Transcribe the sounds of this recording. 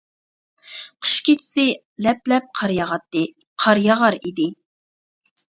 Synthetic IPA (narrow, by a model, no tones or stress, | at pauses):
qʰə̥ʃkʲit͡ʃʰɪ̥sɪ | lɛplɛp̚qʰɑɾjɑʁɑt̪ːɨ | qʰɑɾjɑʁɑɾḭd̪ɪ